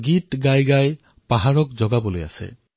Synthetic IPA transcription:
ɡiʈɡajɡaj | paɦaɹɔkd͡ʒɔɡaboloja̰sḛ

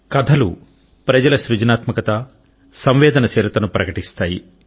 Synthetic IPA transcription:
kɐd̪ʰʱɐlṵ | pɾɐd͡ʒɐlɐʃɾud͡ʒɐnaːt̪mɐkɐt̪ɐ | sɐmʋɛːd̪ɐnɐseːɾɐt̪ɐnupɾɐkɐʈist̪aːjḭ

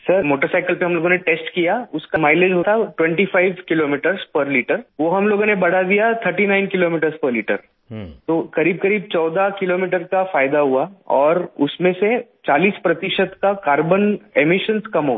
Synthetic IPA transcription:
sɐɾmoːʈəɾsaːɪkəlpeɦɐmloːɡõneʈeːsʈkijaʊskamaːɪled͡ʒɦoːt̪ʰaʈwɛ̃ɳʈifʰaːɪʋkɪloːmiːʈəɾzpɐɾliːʈəɾʋoɦɐmloːɡõnebɐɽ̤ad̪ijat̪ʰəɾʈinaːɪnkɪloːmiːʈəɾspəɾliːʈə̰ɾ | t̪okɐɾiːb̚kɐɾiːb̚t͡ʃɔːd̪akɪloːmiːʈəɾkafaːjd̪aɦuaɔːɾʊsmẽset͡ʃaːliːspɾɐt̪ɪʃət̪kakaːɾbənemɪʃənskɐmɦo̰ː

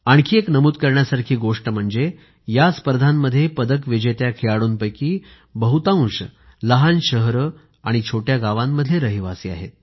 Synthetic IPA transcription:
aɳkʰiːeknəmuːt̪̚kəɾɳjasaɾkʰiːɡoʂʈəm̤əɳd͡ze | jaspəɾd̪ʱamːəd̪ʱːjepəd̪əkʋed͡ʑet̪jakʰeɭaɽuːnpəjkiː | bəɦut̪ãũɕ | ləɦanɕəɦɾə | aɽ̃it͡ɕʰoʈjaɡaʋamːəd̪ʱːjeɾəɦiʋasiːa̰ɦḛt̪̚

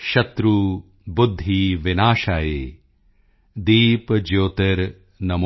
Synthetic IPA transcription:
ʃɐt̪ɾuː | bud̪ʱːiʋɪnaːʃaːjeː | d̪iːpd͡ʒoːt̪ɐɾ | nɐm

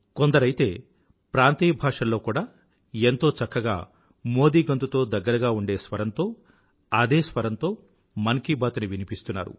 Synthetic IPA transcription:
kond̪ɐɾɐjit̪e̞ː | pɾaːnt̪iːjbʱaːʂɐlːo̞ːkuːɽaː | ent̪o̞ːt͡ʃɐkːɐɡa̰ː | mo̞ːd̪iːɡɐnt̪ut̪o̞ːd̪ɐɡːɐɾɐɡaːuɳɖe̞ːsʋɐɾɐnt̪o̞ː | ɐd̪eːsʋɐɾɐnt̪o̞ː | mɐŋkibaːt̪uniʋinipist̪unːa̰ːɾṵ

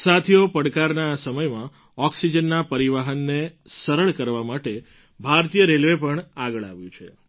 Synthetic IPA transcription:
sat̪ʰijopəɽkaɾnasəməjmã | ɔksid͡ʒənːapəɾiʋaɦənːesəɾəɭkəɾʋamaʈe | bʱaɾt̪ijəɾelʋepəɳaɡəɭa̰ʋjũt͡ʃʰe

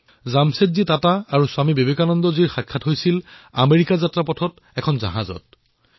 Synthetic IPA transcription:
zamsetzitataːɹuswamibebekanɔndɔziɹxakʰːatɦojsila̰meɹikazatɹapɔtʰɔt | ɛkʰɔnza̰ɦazɔ̰t̚

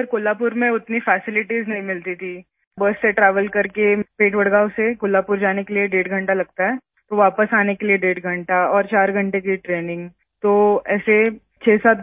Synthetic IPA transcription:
ɐəɾkoːlaːpʊɾmẽʊt̪nifɛːsɪlɪʈiznɐɦĩmɪlt̪it̪ʰi | bəsːeʈɾɛːʋəlkɐɾkepeːʈʋɐɽɡaːsekʊːlaːpʊɾd͡ʒaːnekelieɖeːʈɡʱɐ̃ɳʈalɐɡ̚t̪aɦɛː | t̪oʋaːpəsaːnekelieɖeːʈɡʱɐ̃ɳʈaɔːɾt͡ʃaːɾɡʱɐ̃ɳʈekiʈɾeːnɪ̃ŋɡ | t̪oːɛːse | t͡ʃʰeːsaːt̪̚

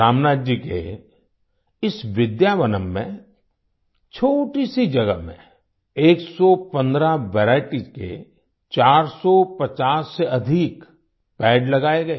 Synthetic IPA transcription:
aːmnaːdd͡ʒikḛ | ɪsʋɪd̪jaːʋənəmːḛ̃ | t͡ʃʰoːʈisid͡ʒɐɡəɦmḛ̃ | eːksɔpə̃nd̪ɾaʋɛːɾaːɪʈikḛ | t͡ʃaːɾsɔpɐt͡ʃaːsːeɐd̪ʱik | pɛːɖlɐɡaːeɡɐeː

